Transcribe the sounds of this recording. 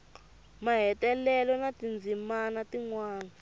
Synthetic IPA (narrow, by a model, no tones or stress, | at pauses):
maɦɛtɛlɛlɔnatind͡zʱimanatiŋwaːna